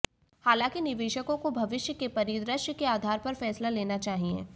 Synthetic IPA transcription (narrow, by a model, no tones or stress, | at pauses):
haːlãːkinɪʋeːʃəkõkobʱɐʋɪʃjəkepɐɾiːd̪ɾəʃjəkeaːd̪ʱaːɾpɐɾfɛːslaleːnat͡ʃaːɦiḛ̃ː